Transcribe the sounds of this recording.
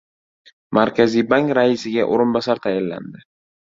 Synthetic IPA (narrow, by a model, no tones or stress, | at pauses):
maɾkʲʰazibaŋkɾaɪsɪɡʲaʔoɾɪnbɒsaɾt̪ʰajɪlːa̰nd̪ɪ